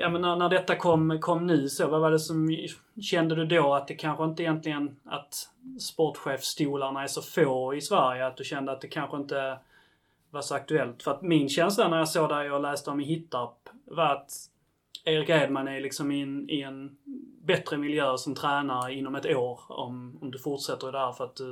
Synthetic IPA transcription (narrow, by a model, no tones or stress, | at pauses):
jɑmənːænæɖɛt̪ːakʰɔmːkʰɔmːnʉ̟ːsɔvavaɖɛsɔm | ɕɛnd̪əd̪ɵd̪oːat̪̚d̪ɛkʰanɧəɪnt̪əɪjɛnt̪lɪɡəna̰t̪ | spɔʈɧeːfst̪uːlaɳaæʂɔfoːɪsvæɾjəat̪̚d̪ɵɕɛnd̪əat̪̚d̪ɛkʰanɧəɪnt̪ə | vaʂɔak̚t̪ɵɛlt̪fœɾat̪mɪnɕɛnslanæɾjɑsoːɡd̪æɾjɑlæːst̪əɔmɪhɪt̪ːapvaɾat̪ | eːɾɪkeɪd̪manælɪksɔmɪnɪɛnbɛt̪ɾəmɪljøːsɔmt̪ʰɾæːnaɾəɪnːɔmɛt̪oːɾɔ̰mɔmd̪ɵfʊʈʂɛt̪ːəɾd̪ɛhæːɾfœɾat̪̚d̪ɵ